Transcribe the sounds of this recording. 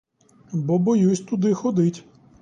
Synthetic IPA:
bɔbɔjusʲt̪ʊd̪ɪxɔd̪ɪtʲ

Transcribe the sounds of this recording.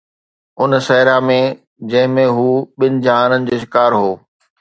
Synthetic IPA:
ʊnsɛɪɾamẽ | d͡ʑɐ̃ɦɪ̃mẽɦuːɓɪn̆d͡ʑaːnənɪ̆d͡ʑoːʃɪkaːɾɦoː

